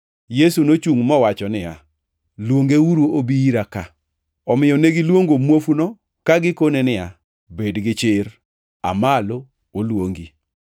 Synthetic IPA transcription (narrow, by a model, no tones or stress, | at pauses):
jesunot͡ʃuŋmɔwat͡ʃɔnɪja | lwoŋɡeuɾoobiiɾaka | ɔmɪjɔneɡilwoŋɡomwofuno | kaɡɪkonenɪja | bedɡɪt͡ʃɪɾ | a̰malo | olwoŋɡi